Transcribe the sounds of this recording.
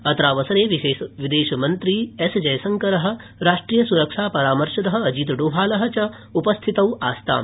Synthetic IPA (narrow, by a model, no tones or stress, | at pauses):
ɐt̪ɾaːʋɐsɐɾeːʋieːʃʋid̪eːʃɐmɐnt̪ɾiːesd͡ʒɐjsɐŋkɐɾɐɦɐ̆ | ɾaːʂʈɾiːjɐsuɾɐkʂaːpɐɾaːmɐɾʃɐd̪ɐɦɐ̆ɐd͡ʒiːt̪̬ɐɖuːbʱaːlɐɦɐt͡ʃɐ | upɐst̪ʰit̪ɐwaːst̪ʰa̰ːm